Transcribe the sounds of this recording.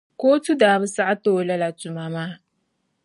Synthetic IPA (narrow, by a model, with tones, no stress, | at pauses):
koː˦tu˦daː˨bɨ˦sa˦ʔa˦toː˦˨la˦la˨tu˨ma˨maː˦